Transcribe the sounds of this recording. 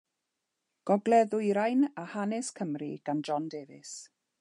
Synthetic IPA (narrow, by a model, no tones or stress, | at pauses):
ɡ̥ɔɡlɛðʊjɾajnahanɪskʰəmrḭɡ̥and͡ʒɔndeːvɪ̰s